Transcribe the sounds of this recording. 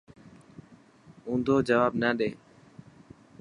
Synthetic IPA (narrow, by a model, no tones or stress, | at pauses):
ũːnd̪ʱoːd͡ʒəʋaːbnaːɗeː